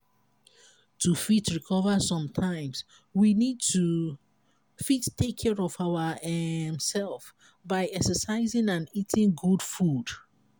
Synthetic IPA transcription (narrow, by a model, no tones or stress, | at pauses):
tʰufitɹikʰɔvəsɔ̃mtʰãɪ̃ms | winid̚tʰu | fittekʰːɛɹɔvawəɛmsɛlˠf | baɪɛksəsaɪzɪ̃ŋãnitʰɪ̃ŋɡudfud̥